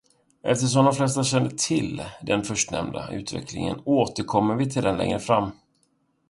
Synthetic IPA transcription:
ʔɛft̪əʂ̬ɔmd̪ɔmflɛst̪aɕɛnd̪ət̪ʰɪld̪ɛnfœʂʈnɛ̰md̪aʉ̟ːt̪vɛ̰klɪ̰ŋə̰noːt̪əɾkʰɔmːəɾvɪt̪ʰɪld̪ɛnlɛ̰ŋɾəfɾamː

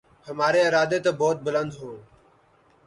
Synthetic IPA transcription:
həmaːɾeːɪɾaːd̪eːt̪ãːbɔːt̪̚bʊlənd̪ɦõː

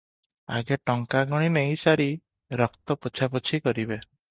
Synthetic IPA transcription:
a̰ɡeʈɔŋkaɡɔɽ̃ineɦĩsaɾi | ɾɔkt̪ɔput͡ʃʰapɔt͡ʃʰikɔɾibe

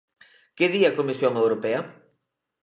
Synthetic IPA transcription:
kɪðiɐkomisjoŋewɾopeɐ

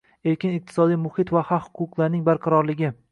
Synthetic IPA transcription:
eɾkʲɪnɪq̚t̪ʰɪ̥sɒd̪ijmʊhɪt̪vahahʊ̥qʊqlˠaɾnɪŋbaɾqʰɑɾɒɾlɪɡʲɪ

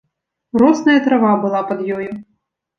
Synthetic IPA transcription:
ɾɔsnɐjɐt̪ɾavabɨlˠapɐd̪jɔju

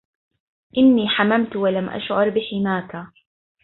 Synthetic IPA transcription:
ʔɪnːiːħamamt̪walamʔa̰ʃʕʊɾˤbɪħɪmaːka

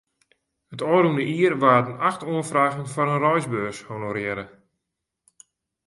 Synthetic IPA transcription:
ətɔːɾundəʔiərʋaːtənaxtuənfraːɣənfɔɾənrɔjzbøːshonoɾɪəɾə

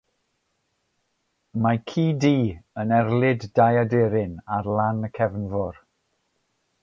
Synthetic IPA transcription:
makʰiːdiːənɛrlˠɪddajadeɾɪnarlˠanəkʰɛvnvɔr

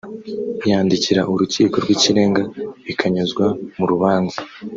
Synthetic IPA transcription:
ijaːndiciɾaʔuɾuciːko̞ɾɡwiciɾe̞ːŋɡaβikʰaɲuzɡwamuɾuβaːnzi

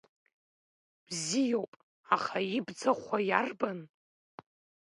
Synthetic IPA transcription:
b̥zijowpʼ | aχaibd͡zaχʷajarban

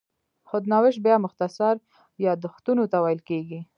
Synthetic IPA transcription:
xʊd̪nɑwɪʃbjɑmʊxt̪asaɾ | jɑd̪ʊxt̪unot̪awajɪlkeɡi

